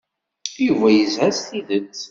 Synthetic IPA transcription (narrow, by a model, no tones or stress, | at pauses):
juvæjəzæsθiðət͡sː